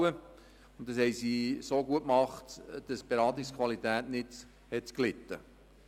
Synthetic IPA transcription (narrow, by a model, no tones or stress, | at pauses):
ə | ʊndɑshɛjsisoːɡuətmɑχtd̥ɑsb̥eɾɑːt̪ɪskʰvɑlit̪æːtnɪt | hɛtklɪt̪ːə